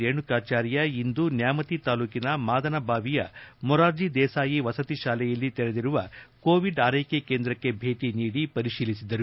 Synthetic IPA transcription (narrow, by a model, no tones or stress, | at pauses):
eːɳukaːt͡ʃaːɾjɐind̪unjaːmɐt̪it̪aːluːkinɐmaːd̪ɐnɐbʱaːʋijɐ̰mɔɾaːɾd͡ʒid̪ɛːsaːjiʋɐsɐt̪iʃaːlɛjɐlːit̪ɛɾed̪iɾuʋɐko̞ːʋiɖaːɾɐjkekeːnd̪ɾɐkːe̞bʱe̞ːʈiniːɽipɐɾiʃiːlisid̪ɐɾu